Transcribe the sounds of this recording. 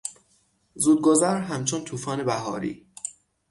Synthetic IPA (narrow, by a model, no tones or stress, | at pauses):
zuːd̪̚ɡozæɾɦæmt͡ʃʰont̪ʰuːfɒːne̞bæɦɒːɾḭː